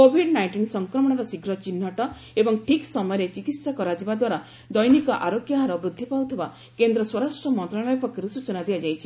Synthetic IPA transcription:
kobʱiɖnajɳʈinsɔŋkɾɔmɔɽ̃ɔɾɔsiɡɾɔt͡ʃinːɔʈɔ | ebɔŋʈʰiksɔmɔjɾet͡ʃikit̪sakɔɾad͡ʒibad̪waɾa | d̪ɔjnikɔʔa̰ɾokjaɦaɾɔbɾud̪ʱːipawt̪ʰiba | kend̪ɾɔswɔɾasʈɾɔmɔnt̪ɾaɽɔjɔpɔkːiɾusut͡ʃɔnad̪iad͡ʒajt͡ʃʰi

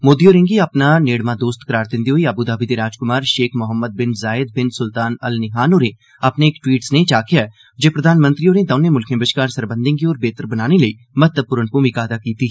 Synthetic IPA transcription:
moːd̪ioːɾẽŋɡiɐpnaneːɽmãd̪oːst̪kəɾaːɾd̪ɪ̃nd̪iɦoiɐbud̪aːbid̪eɾaːd͡ʒkʊmaːɾʃeːkʰmʊɦəmːəd̪̚bɪnzaːɪd̪̚bɪnsʊlt̪aːnɐlnɪɦaːnoːɾẽ | ɐpneːkʈwiːʈsnet͡ʃaːkijaɛ | d͡ʒeːpɾəd̪ʱaːnmə̃nt̪ɾioːɾnẽd̪ɐ̃ːnemʊlkʰẽbəʃkaːɾsəɾbə̃nd̪ẽŋkioːɾbeːt̪əɾbənaːneləi | mɐt̪əb̚pʊɾənpumikaːd̪akiːt̪i

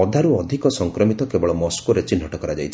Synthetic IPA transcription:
ɔd̪ʱaɾuɔd̪ʱikɔsɔŋkɾɔmit̪ɔkebɔɭɔmɔskuɾet͡ʃin̤ɔʈɔkɔɾad͡ʒajt͡ʃʰ

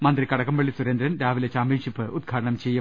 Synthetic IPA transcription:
mɐnd̪rikɐɽɐkːɐmʋeɭːisuɾend̪ɾɐnɾaːʋilet͡ɕaːmbinʂipːɨʔud̪ɡʰʱaːɽɐɳɐmt͡ɕejːu

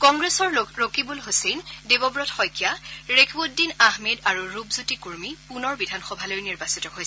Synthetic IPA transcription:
kɔŋɡɹesɔɹɹokibulɦosendebɔbɹɔtxɔjkijaɹekʰbud̚ːinaɦmedaɹuɹubzutikuɹmippunɔɹbidʱanxɔbʱalojniɹbasitɔɦojsɛ

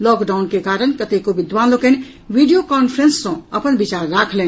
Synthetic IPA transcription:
lɔkɖaʊnkekaɾənkət̪ekobid̪ʋanloken | ʋiɖijokɔnpʰɾensːɔ̃əpənbit͡ʃaɾːakʰlen

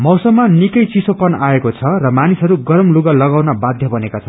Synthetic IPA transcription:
mʌwsʌmːanikʌjt͡sisopʌnaekot͡sʰʌrʌmanisɦʌɾuɡʌɾʌmluɡʌlʌɡawnabad̪ʱjʌbʌnekat͡sʰʌ

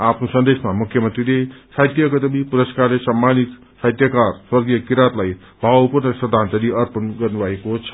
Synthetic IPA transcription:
apʰnosʌnd̪esmamukʰjʌmənt̪ɾilesajt̪jʌkʌt̪əbipuɾəskaɾlesamːanit̪ | sajt̪jəkaɾswʌɾɡijʌkiɾat̪laj | bʱawpuɾnəsd̪ʱãnt͡s̪aɾiʌɾpənɡʌrnubaekot͡sʰʌ̥

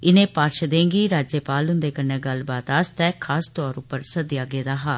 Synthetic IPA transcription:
ɪnẽːpaːɾʃd̪ẽːɡiːɾaːd͡ʒjepaːlɦʊ̃nd̪eːkənɛ̃ːɡəlbaːt̪aːst̪ɛːkʰaːst̪ɔːɾʊpːəɾsəd̪ɪjaːɡeːd̪aːɦaː

